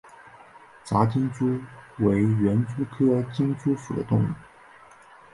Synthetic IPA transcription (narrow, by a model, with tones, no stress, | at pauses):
t͡sa˧˥t͡ɕi˥ŋt͡su˥we˧˥ɪɥɛ˧˥nt͡su˥kʰɤ˥t͡ɕi˥ŋt͡su˥fu˨˩d̪ə̰˦t̪ʊ˥˧ŋu˥˩